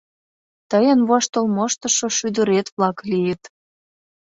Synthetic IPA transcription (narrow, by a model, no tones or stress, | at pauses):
t̪əjə̆nβɑʃt̪olmoʃt̪ə̆ʃoʃyd̪ə̆ɾet̪βlɑklijət̪